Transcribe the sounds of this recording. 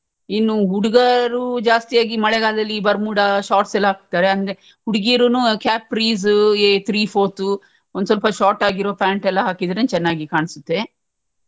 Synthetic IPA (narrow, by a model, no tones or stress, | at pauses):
inːuɦuɽiɡɐɾud͡ʒaːst̪ijaːɡimɐɭɛɡaːld̪ɐlːibɐɾmuːɽɐʃaːʈsɛlːɐɦaːk̚t̪ːaːɾeɐnd̪e | huɽiɡiːɾunukaːp̚ɾiːzet̪ʰɾiːpʰoːt̪u | ond̪usɔlpɐʃaːɾʈaːɡiɾoːpaːɳʈɛlːɐɦaːkid̪ɾent͡ʃɛnːaːɡikaːɳsut̪ːe̞